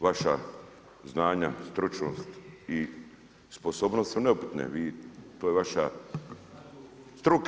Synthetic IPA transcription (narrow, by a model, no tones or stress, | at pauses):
ʋaʃa | znaːɲast̪ɾut͡ʃnost̪i | sposobnossoneupi̥t̪nḛʋiːt̪ojeʋaʃa̰ | st̪ɾuk